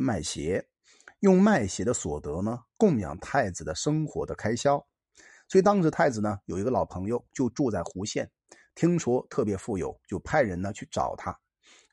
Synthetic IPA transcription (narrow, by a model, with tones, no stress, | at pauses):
ma˥˩ɪɕjɛ˧˥ | jʊ˥˧ŋma˥˩ɪɕjɛ˧˥d̪ə˧swɔ̰˨˩t̪ɤ˧˥nə˧kʊ˥˩ŋjɑ̰˨˩ŋt̪ʰa˥˩ɪd͡zɹ̩˨˩d̪ə˩ʂɤ˥ŋxwɔ̰˧˥d̪ə˧kʰa˥ɪɕjɑ˥ʊ | swɔ˧˥i˨˩t̪ɑ˥ŋʂɻ̩˧˥t̪ʰa˥˩ɪd͡zɹ̩˨˩nə˩jo˨˩ʊi˧˥ɡə˧lɑ˨˩ʊpʰɤ˧˥ŋjo˧ʊt͡ɕjo˥˧ʊʈ͡ʂu˥˧t͡sa˥˩ɪxu˧˥ɕjɛ˥˩n | t̪ʰi˥ŋʂwɔ˥t̪ʰɤ˥˩pjɛ˧˥fu˥˩jo̰˨˩˦ʊt͡ɕjo˥˧ʊpʰa˥˩ɪɻə˧˥nnə˧t͡ɕʰy˥˩ʈ͡ʂɑ̰˨˩ʊt̪ʰa˥